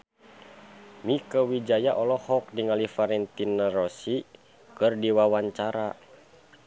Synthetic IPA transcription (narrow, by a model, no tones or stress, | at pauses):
mikəwid͡ʒajaʔɔlɔhɔk̚diŋalifaɾɛnt̪inaɾɔsi | kɨrdiwawaɲt͡ʃaɾa